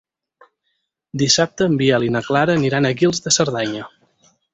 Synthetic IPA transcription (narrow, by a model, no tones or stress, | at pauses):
d̪isap̚t̪əːmbiəlinəklaɾəːniɾanəɣilˠzðəsəɾðaɲə